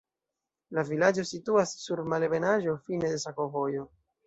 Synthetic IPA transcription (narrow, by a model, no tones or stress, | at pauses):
lavilad͡ʒo̞situasːuɾmalebe̞naʒo̞fine̞de̞s̬ako̞vo̞jo̞